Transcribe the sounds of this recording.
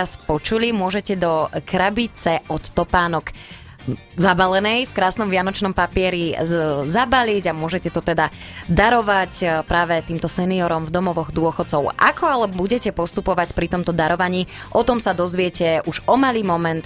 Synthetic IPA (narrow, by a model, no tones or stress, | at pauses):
aspɔt͡ʃulimʊɔʒɛcɛd̪ɔkɾabit͡sɛɔt̪ːɔpaːnɔk | zabalɛnɛjfkɾaːsnɔmʋɪanɔt͡ʃnɔmpapɪɛɾizabaliɟamʊɔʒɛcɛt̪ɔt̪ɛd̪ad̪aɾɔʋacpɾaːʋɛt̪iːmt̪ɔsɛniɔɾɔmvd̪ɔmɔʋɔɣd̪ʊɔxɔt̪t͡sɔʊa̰kʰɔalɛbuɟɛcɛpɔst̪upɔʋacpɾit̪ɔmt̪ɔd̪aɾɔʋaɲiːʔɔt̪ɔmsad̪ɔzʋɪɛcɛuʒɔmaliːmɔmɛnt̪